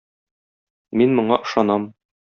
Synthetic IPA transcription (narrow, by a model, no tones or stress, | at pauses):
minmŏɴɑʔɤ̆ʃɑnɑm